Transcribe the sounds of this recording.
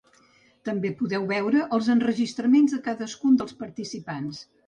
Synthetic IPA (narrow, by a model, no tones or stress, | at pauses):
t̪əmbepuðɛwβɛwɾəʔəlˠzənrəʒist̪ɾəmenzðəkaðəskund̪əlˠspəɾt̪isipans